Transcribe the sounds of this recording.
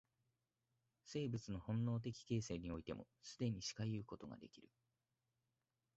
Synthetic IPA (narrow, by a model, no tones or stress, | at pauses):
se̞ːbɯ̟t͡sɨno̞hõ̞nːo̞ːt̪̬e̞kʲi̥ke̞ːse̞ːɲ̟io̞it̪e̞̰mo̞̰sɨd̪e̞ɲ̟iɕi̥kajɯ̟ːko̞t̪o̞ɡa̰d̪e̞̰kʲiɾɯ̟